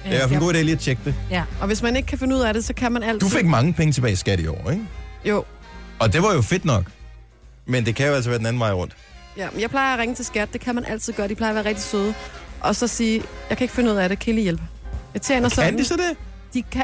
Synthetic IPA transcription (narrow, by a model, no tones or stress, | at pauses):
æɐflenɡo̝̰ːdḛliːæt͡ɕʰeɡ̥̚d̥eɒ̽ʋe̝smæne̝ɡ̥əkʰæfe̝nəuð̞̰ˠæɾ̥e̝sɒ̽kʰæmænæl̰d̥ufeɡ̥̚mɑ̈ŋəpʰeŋət͡sʰe̝bɛ̰ːɪsɡ̥æɾ̥iɒ̰ːeɡ̥jo̝̰ː | ɒ̽d̥e̝ʋɑ̈jo̝fe̝d̥nɒ̽ɡ̥ | mend̥e̝kʰæjoælsɒʋæːɐd̥enæn̩ʋɑ̈ɪ̰ʁɔ̽n̰d̥jæmenjɑ̈ɪpʰlɑ̈ɪɐːʁeŋət͡sʰe̝lsɡ̥æd̥ːe̝kʰæmænʔæl̰t͡sʰið̞̰̥ˠɶːɐdipʰlɑɪɐʋæɐʁɛɡ̥̚d̥isøð̞ˠʔɒ̽sɒ̽siːjɑ̈ɪkʰæe̝ɡ̥əfe̝nuð̰ˠæɾe̝kʰeːlijelb̥ə | jɑ̈ɪt͡sʰjḛːnɐsɒnd̥isɒd̥e | d̥ikʰ